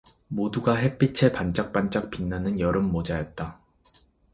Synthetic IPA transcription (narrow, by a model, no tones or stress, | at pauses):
moduɡaɦe̞p͈it͡ɕʰepant͡ɕ͈ak̚p͈ant͡ɕ͈ak̚p͈inːanɯnjʌɾɯmːod͡ʑajʌt̚t͈a